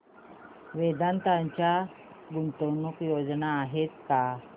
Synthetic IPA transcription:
ʋed̪ant̪aɲt͡ɕja | ɡunt̪onukjod͡znaːɦet̪̚ka

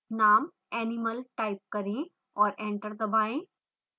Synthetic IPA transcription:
naːm | ɛːniməlʈaːɪp̚kɐɾĩ | ɔːɾẽːɳʈəɾd̪ɐbʱaːẽː

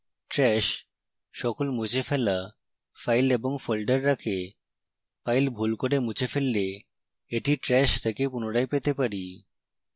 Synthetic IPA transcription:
ʈɾɛʃː | ɔkolmud͡ʑʰefela | fajleboŋfolɖaɾːakʰe | pajlbʱulkoɾemut͡ɕʰefelːe | eʈiʈɾɛʃt̪ʰekepunoɽajpet̪epaɾi

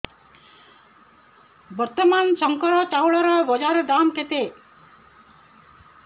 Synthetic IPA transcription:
bʌɾt̪əmansʌŋkəɾɔt͡ʃawɭɔɾɔʋɔd͡ʒaɾd̪aːmket̪e

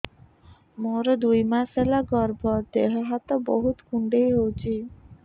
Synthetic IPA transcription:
moɾd̪ujmaselaɡɔɾbʱɔd̪eɦɔɦat̪oboɦut̪kʰuɳɖejɦowt͡ɕʰi

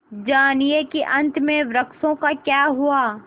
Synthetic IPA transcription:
d͡ʒaːnijekiʔɐ̃nt̪ʰmẽʋɾɐksõkakjaːɦuaː

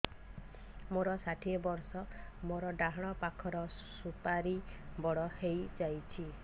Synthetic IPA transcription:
moɾɔsaʈʰibɔɾsɔmoɾɔɖaɦɔɽ̃ɔpakʰɔɾɔ | supaɾibɔɽɔhejd͡ʒajt͡ʃʰi

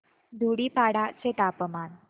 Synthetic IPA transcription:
d̪ʱuɽiːpaɽat͡seʈ̪apəman

